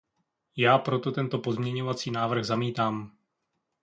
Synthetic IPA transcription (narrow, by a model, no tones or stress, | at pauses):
jaːpɾo̞t̪o̞t̪ɛnt̪o̞po̞zmɲɛɲo̞vat͡siːnaːvr̩ɣzamiːt̪aːm